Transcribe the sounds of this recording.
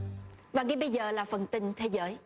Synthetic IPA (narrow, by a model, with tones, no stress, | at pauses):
vaː˨˩ŋi˨˦ɓə˧jzəː˨˩laː˨˩fə˨˩nt̪ï˧˩ŋ̟t̪ʰe˨˦zəː˨˦j